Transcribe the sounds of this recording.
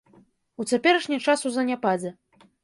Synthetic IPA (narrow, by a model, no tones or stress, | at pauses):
ut͡sʲapʲɛɾɐʂnʲɛt͡ʂasuzɐnʲapad͡zʲɛ